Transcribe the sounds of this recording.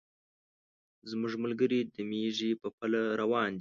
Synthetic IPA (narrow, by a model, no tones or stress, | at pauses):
zmʊʐməlɡəɾid̪əmeʐipəpəlaɾawɑːnd̪i